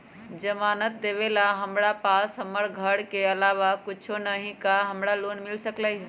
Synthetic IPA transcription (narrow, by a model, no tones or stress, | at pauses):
d͡ʒəmanət̪̚d̪eβelaɦəmɾapasɦəmːəɾɡʱəɽkeəlaʋakit͡ʃʰonəɦĩkaɦəmɾalonmilsəklə